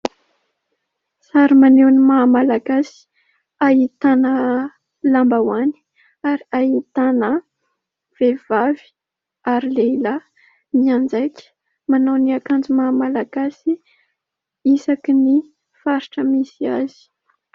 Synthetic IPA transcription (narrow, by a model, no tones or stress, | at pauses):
saɾimanewnimamalaɡasi̥ | aɦit̪anə | lambawani̥ | aɾiaɦit̪anə | v̥evavi̥ | aɾileila | miand͡zajkʲə̥ | manowniakand͡ʒumaːmalaɡasi | isakini | faɾiʈ͡ʂəmisiazi̥